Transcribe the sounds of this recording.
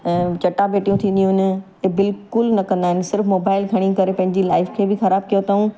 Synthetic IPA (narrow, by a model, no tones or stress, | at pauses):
t͡ɕɐʈːabeːʈijũt̪ʰĩːnd̪ijũn | bɪlkʊlnɐkɐ̃nd̪aːɦɪnɪ̆sɪɾfmoːbaːɪlɡʱɐɽ̃ĩkɐɾepɐ̃ɦɪɲ̆d͡ʑilaːɪfkʰeːbɪxɐɾaːb̚kijot̪aːũ